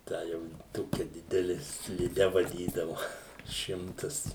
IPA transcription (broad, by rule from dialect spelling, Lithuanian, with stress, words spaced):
ˈtɑː jɛʊ ˈtoːkʲɛ ˈdʲɪdʲɛlʲɪ sʲlʲɪˈdʲɛ ʋɐˈdʲiːdɐʋʊ ˈʃʲɪmtɐs